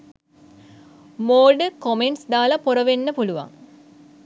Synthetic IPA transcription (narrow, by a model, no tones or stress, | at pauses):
moːɖəkomeɳʈsd̪aːlɐpoɾəʋenːəpuluʋa̰ŋ